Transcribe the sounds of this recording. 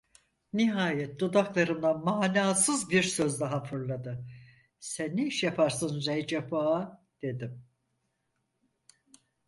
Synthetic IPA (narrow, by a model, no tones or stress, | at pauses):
niɦaːjɛt̪̚d̪ud̪aklˠaɾɯmd̪ˠamaːnaːsɯzbiɾsøzd̪aɦapʰɯɾlˠad̪ɯ | sænːiiʃjapʰaɾsɯnzɛjd͡ʒapaa | d̪̥e̞d̪im